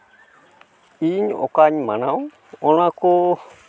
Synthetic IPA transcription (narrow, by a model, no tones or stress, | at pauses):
iɲo̰kaɲmãnãw | ol̃ãko